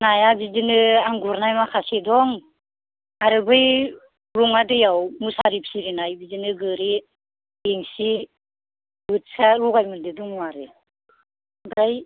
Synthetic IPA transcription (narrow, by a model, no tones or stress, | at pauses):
najabid͡ʒinɯaŋɡuɾnajmakʰasedɔŋ | aɾɯbɯj | ɾuŋadɯjawmusaɾipsiɾinajbid͡ʒinɯɡɯɾi | eŋsi | bɯt̚saɾuɡajmɯndɯduŋuaɾɯ | bɾaj